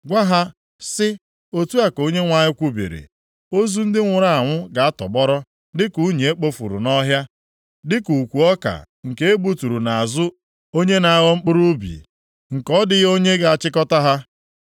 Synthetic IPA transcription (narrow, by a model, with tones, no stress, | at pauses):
ɡʷa˦ɦa˦ | sɪ˦ | o˦tu˦a˨ko˦ɲe˦ŋʷa˦ɲɪ˦kʷu˦bḭ˨ɾḛ˨ | o˦zu˦n̩˦dɪ˦ŋʷʊ˨ɾa˦˨a˨ŋʷʊ˦ɡa˨a˦tɔ̰˨ɡ͡bɔ˦ɾɔ˦ | dɪ˦ku˨˦ɲe˨e˦k͡po˦fṵ˨ɾṵ˨nɔ˦ɦja˦ | dɪ˦ku˨kʷu˨ɔ˦ka̰˨ | ŋ̩˨ke˦e˦bu˦tu˨ɾu˨na˨a˨zʊ˦ | o˦ɲe˦na˨a˦˨ɣɔ˦ŋ͡m̩˦k͡pʊ˦ɾu˦bḭ˨ | ŋ̩˨kɔ˦dɪ˨ɣo˦ɲe˦ɡa˨a˨t͡ʃɪ˦kɔ˦ta˦ɦa˦